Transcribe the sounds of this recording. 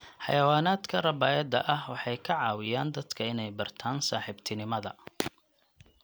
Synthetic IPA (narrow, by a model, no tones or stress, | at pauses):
ħɑ̰jɐwaːnaːd̪kʰɐrɐbaːjɐd̪ɐ̰ʔɐhwɑħɑjkʰɐʕɑːwɪjaːnd̪ɐd̪kʰɐɪnɛjbɐrt̪ʰaːnsaːħɪbt̪ʰɪnɪmɐðɐ̰